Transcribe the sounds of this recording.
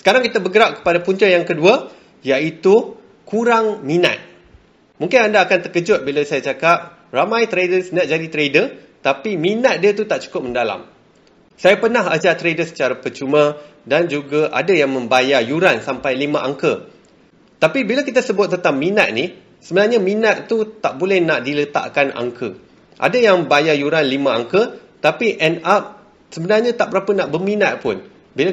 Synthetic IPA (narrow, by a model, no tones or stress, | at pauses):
sə̥kaɾaŋkit̪abəɡəɾaʔ̚kə̥padapuɲt͡ʃajaŋkədua | jait̪u | kuɾaŋmĩna̰t̪̚ | mũŋkɪnandaːkant̪əkəd͡ʒʊt̪̚bilasajat͡ʃakap̚ | ramãjt̪ɾedəsənaʔ̚d͡ʒadit̪ɾedə | t̪apimĩnat̪̚diat̪ut̪aʔt͡ʃu̥kʊp̚məndala̰m | sajapərnaɦad͡ʒat̪ɾedəsə̥t͡ʃaɾapət͡ʃumãdand͡ʒuɡaʔa̰dajaŋmə̃mbajajuɾansampajlimãʔaŋkə | t̪apibilakit̪asəbʊt̪̚ːənt̪amːĩnat̪̚ni | səbənarɲamĩnat̪̚t̪ut̪aʔbolɛhnaʔdilət̪a̰ʔkanʔa̰ŋkʰə | ʔa̰dajaŋbajajuɾanlimãaŋkə | t̪apiʔɛnap̚ | səbənarɲat̪aʔ̚bəɾapanaʔbəmĩnat̪̚pʊn | bila